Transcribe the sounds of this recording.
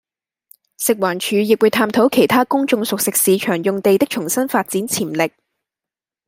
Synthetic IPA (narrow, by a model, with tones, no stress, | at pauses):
sɪ˨k̚waː˨˩nt͡ʃʰyː˨˧jɪ˨k̚wu˨˧jt̪ʰaː˧mt̪ʰo˨˥wkʰe˨˩jt̪ʰaː˥kʊ˥ŋt͡ʃʊ˧ŋsʊ˨k̚sɪ˨k̚siː˨˧t͡ʃʰœː˨˩ŋjʊ˨ŋt̪e˨jt̪ɪ˥k̚t͡ʃʰʊ˨˩ŋsɐ˥nfaː˧t̚t͡siː˨˥nt͡sʰiː˨˩mlɪ˨k̚